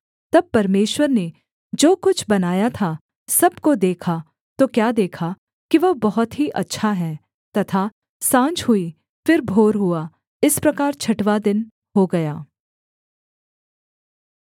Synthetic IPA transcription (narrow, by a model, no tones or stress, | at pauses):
t̪ɐb̚pɐɾmeːʃwəɾne | d͡ʒoːkʊt͡ʃʰbɐnaːjat̪ʰa | sɐbkod̪eːkʰa | t̪okjaːd̪eːkʰa | kiʋɐɦbɐɦʊt̪ɦiʔɐtːʃʰaɦɛ̃ː | t̪ɐt̪ʰa | sãːt͡ʃɦʊi | fɪɾbʱoːɾɦua | ɪspɾɐkaːɾt͡ʃʰɐʈʋad̪ɪn | ɦoɡɐjaː